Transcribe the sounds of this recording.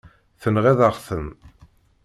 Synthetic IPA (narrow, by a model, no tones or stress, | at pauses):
θənʁeðəʁθəm